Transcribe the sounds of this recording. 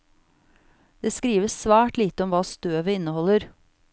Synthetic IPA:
d̪̥eːskɾiːʋəssʋæːʈliːt̪əɔmʋɑːst̪øːʋəɪnəhɔləɾ

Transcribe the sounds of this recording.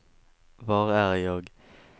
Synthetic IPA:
ʋɑːʁæːʁəjoːɡ

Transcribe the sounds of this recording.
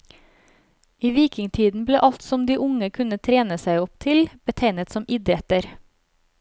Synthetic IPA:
iːʋiːkɪŋt̪ʰiːd̪n̩bleːʔɑlt̪sɔmd̪iːʔʊŋəkʰʉnət̪ʰɾeːnəsæɪɔpt̪ʰɪlb̥ət̪ʰeɪnət̪sɔmɪd̪ɾɛt̪əɾ

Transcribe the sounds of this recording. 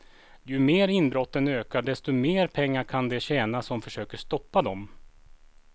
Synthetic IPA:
jɵmeːɾɪnbɾɔt̪ːənøːkaɖɛst̪ɔmeːɾpʰɛŋːaɾkʰand̪ɛɕɛːnasɔmfœʂøːkəʂt̪ɔpːad̪ɔm

